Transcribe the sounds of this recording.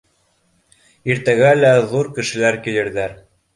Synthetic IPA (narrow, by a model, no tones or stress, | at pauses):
iɾt̪æɡælæðuɾkɘ̆ʃɘ̆læɾkilɘ̆ɾðæɾ